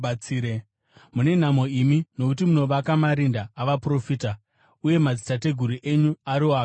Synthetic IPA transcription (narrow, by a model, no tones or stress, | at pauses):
t͡siːɾe | mune̞n̤amoimino̞kut̬imuno̞ʋakamaɾindaːʋapro̞fiːta | uje̞mad͡zitate̞ɡʱuɾiʔe̞ɲuaɾiwaːk